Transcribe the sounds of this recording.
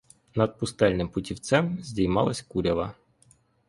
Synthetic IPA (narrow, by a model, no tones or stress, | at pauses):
nɐd̪̚pʊst̪ɛlʲnɪmpʊtʲiwt̪sɛmzʲdʲijmɑlˠɐsʲkuɾʲɐʋɐ